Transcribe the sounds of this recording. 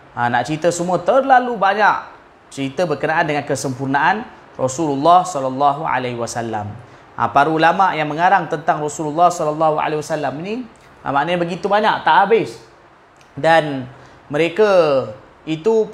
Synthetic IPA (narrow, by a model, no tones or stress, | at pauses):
anaʔt͡ʃɾit̪əsəmũət̪ərlalubaɲaʔ | t͡ʃəɾit̪əbərkənaʔandəŋankəsəmpurnaʔan | rɔsululːahsɔlalːaɦua̰laɦwasalːa̰m | a̰paɾuːlamaʔjaŋməŋaɾaŋt̪ənt̪aŋrɔsululːahsɔlalːaɦua̰lewasalːamini | a̰maʔnəɲabəɡit̪ubaɲaʔt̪aʔabɪs | dan | məɾekə | it̪u